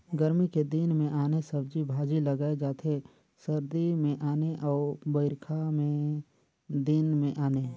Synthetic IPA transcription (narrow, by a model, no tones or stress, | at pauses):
ɡəɾmiked̪inmẽʔaːnesəbd͡ʒibʱaːd͡ʒiləɡaːed͡ʒaːt̪ʰe | səɾd̪imẽʔaːneʔɔːbəɪɾkʰamẽ | d̪inmẽʔaːneː